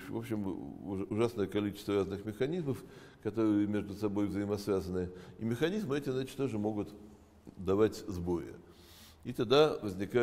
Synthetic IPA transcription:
vo̞pɕːɪm̰ʊʐasnəjəkɐlʲit͡ɕɪ̥st̪vəɾaznɨxmʲɪxɐnʲizməf | kɐt̪o̞ɾɨjəmʲe̞ʐd̪ʊsɐbo̞jvzəɪmɐsvʲazənɨimʲɪxɐnʲizmɨɛtʲɪvzat͡ɕɪ̥t̪t̪oʐɨmo̞ɡʊt̪ | d̪ɐvatʲzbo̞ɾɪ̰ | it̪ɐɡd̪avəzʲnʲɪka

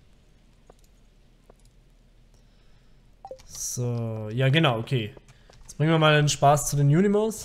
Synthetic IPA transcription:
z̥ojaːɡənaʊʔokʰeː | jɛt͡sb̥ʁɪŋnviːɐmaːldenʃpaːst͡sudeːnjuːnimos

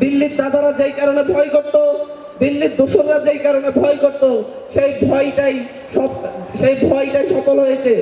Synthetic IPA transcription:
d̪ilːit̪d̪ad̪ʱaɾad͡ʑejkaɾonebʱɔjkoɾt̪o | d̪ilːiɾd̪oʃonɾad͡ʑejkaɾonebʱɔjkoɾt̪o | ʃejbʱɔjʈaj | ʃɔʃejbʱɔjʈajʃɔkolɦojet͡ɕʰe

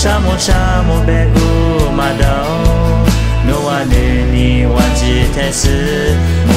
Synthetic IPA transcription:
ʃamʊʃamʊbɛku | madaʊ | nowane | niwad͡ʒɪtɛsɪ

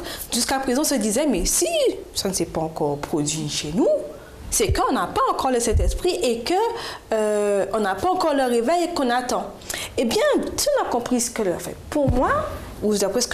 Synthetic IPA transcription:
ʒyskapχezɑ̃ɔ̃səd̪izɛmɛsisanəsɛpaɑ̃kɔʁpχod̪ɥiʃenu | sɛkəɔ̃napaɑ̃kɔʁləsɛ̃t̪ɛspχiʔekəøɔ̃napaɑ̃kɔʁləʁevɛjkɔ̃nat̪ɑ̃ | ebjɛ̃t̪ɔ̃nakɔ̃pχisə̥kəlɛfɛ̰puʁmwa | ud̪apχɛsə̥k

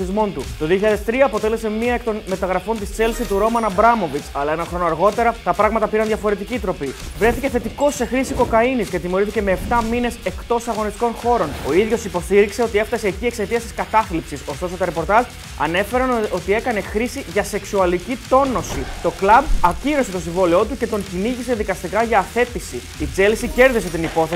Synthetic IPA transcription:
θizmo̞nt̪ut̪o̞ðioçiʎaðest̪ɾiɐːpo̞t̪e̞le̞se̞miɐekt̪o̞nme̞t̪ɐɣɾɐfo̞nt̪ist͡se̞lsit̪uɾo̞mɐnɐbɾɐmo̞vit͡sɐlɐe̞nɐxɾo̞noɐɾɣo̞t̪e̞ɾɐt̪ɐpɾɐɣmɐt̪ɐpiɾɐnðʝɐfo̞ɾe̞t̪icit̪ɾo̞pivɾe̞θice̞θe̞t̪iko̞se̞xɾisiko̞kɐiniscet̪imo̞ɾiθiceme̞ːpt̪ɐmine̞se̞kt̪o̞sɐɣo̞nist̪iko̞nxo̞ɾo̞no̞iðʝo̞sipo̞st̪iɾikse̞o̞t̪ie̞ft̪ɐse̞ːciekse̞t̪iɐst̪i̥skɐt̪ɐθlipsiso̞st̪o̞so̞t̪oɾepo̞ɾt̪ɐzʒ | ɐ̰ne̞fe̞ɾɐno̞t̪ie̞kɐne̞xɾisiʝɐse̞ksuɐlicit̪o̞no̞sit̪o̞klɐbɐciɾose̞t̪o̞siɱvo̞lio̞t̪uce̞t̪o̞ɲciniʝise̞ðikɐst̪ikɐʝɐːθe̞t̪isi | it͡se̞lisice̞ɾðise̞t̪inipo̞θe

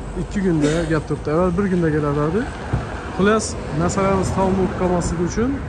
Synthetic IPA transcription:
ɪkʲːɪkʰʊnd̪aɡʲap̚t̪ʰʊɾp̚d̪ɪavːalbɪɾkʊnd̪aɡʲalaɾd̪aɾd̪ɪ | qʰʊlˠas | naɾsalamɪzt̪ʰawɒmolˠɨp̚qʰɑlˠmaslɪɡʲʊt͡ʃʰʊn

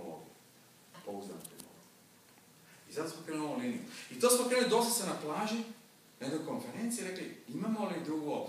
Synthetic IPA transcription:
lo̰ɡiju | pouzd̪a̰nkɾḭno̰lo̰ɡiu | izat̪osmokɾenuulinḭjuit̪o̞ːsmokɾenulid̪o̞st̪ḁsenaplaːʒi | nekojko̞nfe̞ɾe̞nt̪siɾe̞kliimamo̞lid̪ɾuɡuop

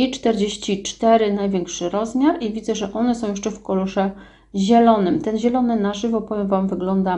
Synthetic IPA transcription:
it͡ʂt̪ɛɾd͡ʑeɕt͡ɕit͡ʂt̪ɛɾɘnajvʲjeŋkʂɘɾɔzmʲjaɾivʲid̪zɛʐɛʔɔnɛsɔ̃wjɛʂt͡ʂɛfkɔluʂɛ | ʑɛlɔnɘmt̪ɛnʑɛlɔnɘnaʐɘvɔpɔvʲjɛmvamvɘɡlɔnd̪a

